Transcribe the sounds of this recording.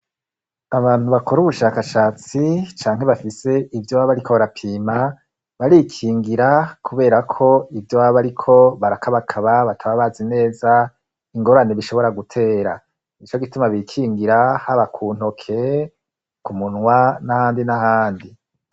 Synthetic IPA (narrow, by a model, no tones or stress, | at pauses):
aβaːnhuβako̞ɾuβuʃaːkaʃaːt͡sit͡ʃaːŋ̥e̞βafise̞ʔivjoβaβaɾikʰo̞βaɾapʰiːma | βaɾikʰiːŋɡiɾakʰuβe̞ːɾakʰo̞ivjowaβaɾikʰo̞βaɾakʰaβakʰaβaβatʰaβaβazine̞ːza | iŋɡo̞ɾane̞βiʃo̞βo̞ɾaɡutʰe̞ːɾa | nit͡ʃoɡitumaβikʰiːŋɡiɾahaβakʰun̥o̞kʰe̞ | kumunŋwanahaːndinahaːndi